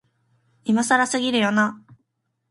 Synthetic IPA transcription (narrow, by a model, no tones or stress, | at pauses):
imasaɾasɨɡʲiɾɯ̟jo̞na